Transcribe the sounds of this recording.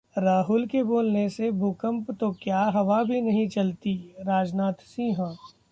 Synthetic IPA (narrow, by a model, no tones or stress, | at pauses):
ɾaːɦʊlkeboːlnesebʱuːkə̃mpt̪okjaɦɐʋabʱinɐɦĩt͡ʃɐlt̪iɾaːd͡ʒnaːt̪sĩːɦã